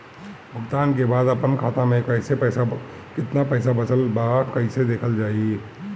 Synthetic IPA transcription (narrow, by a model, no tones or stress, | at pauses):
bʱəɡt̪aːnk̬ebaːd̪əpənkʰaːt̪amẽkɐɪsepɛːsa | kɪt̪napɛːsabɐsəlbakɐɪsed̪eːkʰəld͡ʒaːi